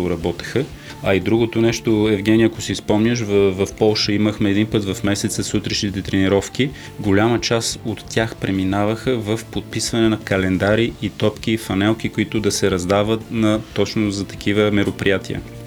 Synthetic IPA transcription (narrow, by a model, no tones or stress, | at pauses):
ʊɾɐbɔt̪ɛ̥xə | ɐid̪ɾuɡot̪onɛʃt̪oɛvɡɛnʲiɐkʊsispɔmnʲəʃ̬vvɐfpɔlˠʃəiməxmɛːd̪inpɤt̪vɐfmɛsɛt̪səsut̪ɾɛʃnit̪ɛt̪ɾɛniɾɔfk̟i | ɡolʲamət͡ʃasot̪ːʲjaxpɾɛminavəxəvɐfpot̪̚pisvɐnɛnɐkɐlɛnd̪aɾiʔit̪ɔpk̟iːfɐnɛlˠk̟ikoit̪ʊd̪ɐsɛɾɐzd̪avət̪nɐːɔt͡ʃnozɐt̪ɐ̥kʰivəmɛɾopɾijat̪iə̰